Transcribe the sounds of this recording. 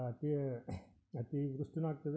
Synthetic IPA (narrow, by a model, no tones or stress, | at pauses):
ɐt̪i | ɐt̪iʋɾuʂʈinaːɡ̚t̪ɐðe